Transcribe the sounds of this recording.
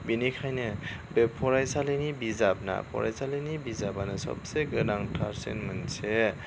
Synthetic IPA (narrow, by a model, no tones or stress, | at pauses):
binikʰajnɯ | bepʰɔɾajsalenibizab̚na̰pʰɔ̰ɾa̰jsalɯnibizabanɯsɔ̰b̚seɡɯdaŋtʰaɾsḛnmɯnse